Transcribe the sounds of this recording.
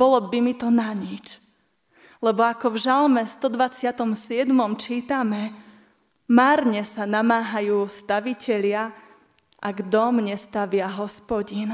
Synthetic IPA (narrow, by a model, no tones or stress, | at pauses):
bɔlɔbimit̪ɔnaɲit͡ʃ | lɛbɔakɔvʒalmɛst̪ɔd̪ʋat͡sɪat̪ɔmsɪɛd̪mɔmt͡ʃiːt̪amɛ | maːɾɲɛsanamaːɦajuːst̪aʋicɛʎɪa | ʔaɡd̪ɔmɲɛst̪aʋɪaɦɔspɔɟin